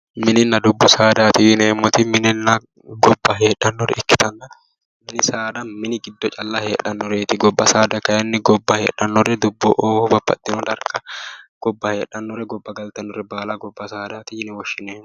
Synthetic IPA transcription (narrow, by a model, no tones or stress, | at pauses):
mɪnɪnːɐd̪ʊbːɔsaːd̪aːt̪ɪjɪneːmːɔt̪ɪmɪnɪnːɐ | ɡɔbːɐɦe̞ːᶑɐnːɔɾɛ̰ɪkːɪt̪ɐnːɐ | mɪnɪsaːd̪ɐmɪnɪɡɪd̪ːɔt͡ʃʼɐlːɐheːᶑːɐnːɔɾeːt̪ɪɡɔbːɐsaːd̪ɐkɐjɐnːɪɡɔbːɐhḛːᶑːɐnːɔɾɛd̪ʊbːɔʔoːhʊbɐbːɐ̰t̪ːɪnɔd̪ɐɾkʼːɐɡ̥ɔbːɐhe̞ːᶑːɐnːɔɾɛɡɔbːɐɡɐlt̪ɐnːɔɾɛbaːlɐɡɔbːɐsaːd̪aːt̪ɪjɪnɪwɔʃːɪneːmːɔ